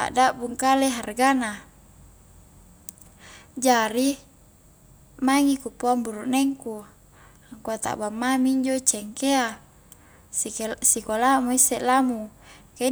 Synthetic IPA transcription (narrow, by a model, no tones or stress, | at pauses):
a̰ʔdaʔbuŋkaleɦarɡana | d͡ʒaɾi | maŋikupoambuɾuʔnɛŋku | aŋkuat̪a̰ʔbamːamiːɲd͡ʒot͡ʃɛŋkea | sikolamuisːeʔlamuke